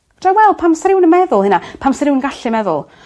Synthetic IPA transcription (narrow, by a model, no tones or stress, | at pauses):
d̥awɛlˠpʰamsɾɪwnəmɛðʊlˠhɨnapʰamsɾɪwnənɡaɬɨmɛðʊ̰lˠ